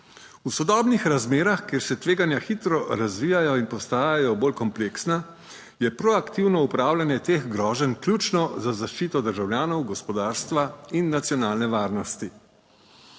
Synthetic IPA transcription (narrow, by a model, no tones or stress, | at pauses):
usɔd̪ɔːbnixɾazmeːɾaxkeːɾsɛt̪ʋeːɡanjaxit̪ɾɔɾazʋiːjajɔinpɔst̪aːjajɔboːlkɔmpleːksna | jɛpɾɔakt̪iwnɔupɾaːwlanjɛt̪eːɣɡɾɔːʒɛnklʲjut͡ʃnɔzazaʃt͡ʃiːt̪ɔd̪əɾʒawlʲjaːnɔwɡɔspɔd̪aːɾst̪ʋainːat̪sjɔnaːlnɛʋaːɾnɔst̪i